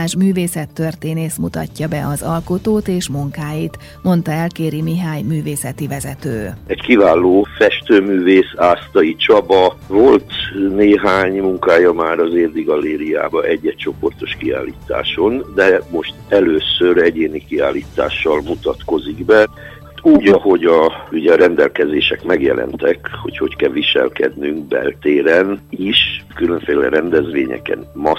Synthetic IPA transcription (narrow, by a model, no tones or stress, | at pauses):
aːʒmyːveːsɛt̪ːørt̪eːneːsmut̪ɒ̰cːɒbɛʔɒzɒlkot̪oːt̪eːʃmuŋkaːjit̪ | mo̞nt̪ɒɛlkeːɾimiɦaːjmyːveːsɛt̪ivɛzɛt̪øːɛckivaːloːfɛʃt̪øːmyːveːsaːst̪ɒit͡ʃɒbɒvolt̪neːɦaːɲmuŋkaːjɒmaːɾɒzeːrd̪iɡɒlːeːɾia̰ːbɒʔɛɟːɛt͡ʃo̞po̞rt̪o̞ʃkia̰ːlːḭːt̪a̰ːʃo̞nd̪ɛmo̞ʃt̪ɛløːsøɾɛɟeːnikiaːlːiːt̪a̰ːʃːɒlmut̪ɒt̪ko̞ziɡbɛ | uːɟɒho̞ɟɒyɟɛːɾɛnd̪ɛlkɛzeːʃɛkmɛɡjɛ̰lʔɛ̰nt̪ɛkho̞̰cho̞ckɛlʋiʃɛ̰lkɛ̰d̪nyŋk̚bɛ̰lt̪eːɾɛniʃkyløɱfeːlɛ̰ɾɛnd̪ɛzʋḛːɲɛ̰kɛ̰nmɒ